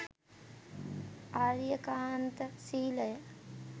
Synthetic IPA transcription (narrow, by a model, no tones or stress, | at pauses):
aːɾjɐkaːnt̪ɐsiːlɐjɐ